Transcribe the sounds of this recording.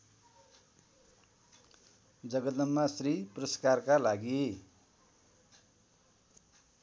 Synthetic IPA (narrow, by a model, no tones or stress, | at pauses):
d͡zʌɡʌd̪ʌmːasriprʌskarkalaɡi